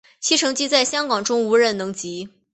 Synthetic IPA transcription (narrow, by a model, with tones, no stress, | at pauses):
t͡ɕʰi˥ʈ͡ʂʰɤ˧˥ŋt͡ɕi˥t͡sa˥˩ɪɕjɑ˥ŋkɑ˨˩ŋʈ͡ʂʊ˥ŋu˧˥ɻə˧˥˩nnɤ˧˥ŋt͡ɕi˧˥